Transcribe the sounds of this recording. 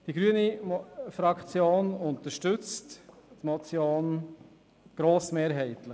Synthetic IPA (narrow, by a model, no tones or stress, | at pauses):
d̥iɡɾyənifɾɑkt͡sjoːnʊnt̪əɾʃtʉt͡sttmɔt͡sjoːn | ɡ̥ɾoːsmeːɾɦɛɪtlə